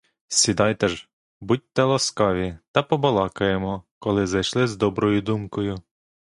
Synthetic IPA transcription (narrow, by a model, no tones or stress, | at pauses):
sʲid̪ɑjt̪ɛʒ | but̚ʲt̪ɛlˠɐskɑʋʲit̪ɐpɔbɐlˠɑkɐjemɔkɔlˠɪzɐjʃlˠɪzd̪ɔbɾɔjʊd̪umkɔjʊ